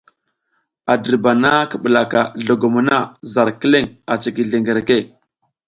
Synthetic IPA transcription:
a˨də˨ɾba˨na˦kə˨ɓə˨la˨ka˨ɮo˨ɡo˨mu˨na˦˨za˨ɾkə˦le˦ŋa˨t͡ʃi˨ki˨ɮe˨ŋɡe˨ɾe˨ke˦˨

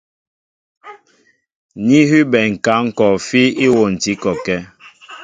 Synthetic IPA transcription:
ɲi˦ɦi˦bɛ˨ŋ̩˨ka˨˦ŋ̩˦kɔ˨fi˦i˦wo˨n̩˨ti˨˦kɔ˨kɛ˦

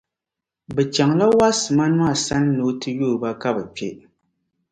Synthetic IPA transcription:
bɛ˨t͡ʃa˨ŋla˦wa˦sma˦nwa˦˨sa˦n˦no˨˦tɨ˦joː˦˨ba˦ka˦bɛ˨k͡pɛ̰˦

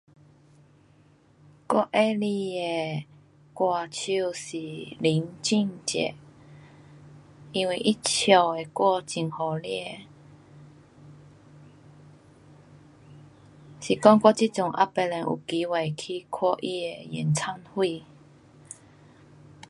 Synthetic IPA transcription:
kwɔ˥˦ʔe˦li˧e˧ | kwa˨˧t͡ɕʰu˧ɕi˨˩li˨˦ŋt͡ɕi˥˧ŋt͡ɕḛ˨ | i˦nwi˧ʔi˦t͡ɕʰjɔ˨˩e˨kwɔ˥˧t͡ɕi˨˩ŋhɔ˨˩li˥e˧˨ | ɕi˨˩kɔ˦ŋkɔ˦˧t͡ɕi˦t͡sʊ˨˩ŋʔa̰˦pe˧lɛ˨˧nʔṵ˨˩ki˨˦we˨˩kʰi˦kʰwɔ˧˦ʔi˦e˧jḭ˨˩nt͡sʰa˦nhwi˥˧˨

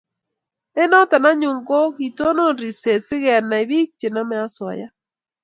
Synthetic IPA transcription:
ɛ˦nɔ˦t̪a˨na˦ɲʊ˨ŋɡo˦ki˨to˦nɔ˦nɾi˨t͡se˨sɪ˦ɣɛ˨a˨nːa˨i˨βi˦k̚t͡ʃe˨na˦mɛ˦a˦swa̰˨ja˦

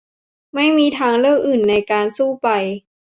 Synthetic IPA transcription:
ma˥˩jmiː˧t̪ʰaː˧ŋlɤː˥˩k̚ʔɯː˨˩nːa˧jkaː˧nsuː˥˩pa˧j

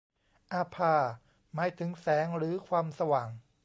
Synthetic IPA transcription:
ʔaː˧pʰaː˧ | maː˦˥jt̪ʰɯ˩˦ŋsɛː˩˦ŋɾɯː˩˦kʰwaː˧msa˧waː˨˩ŋ

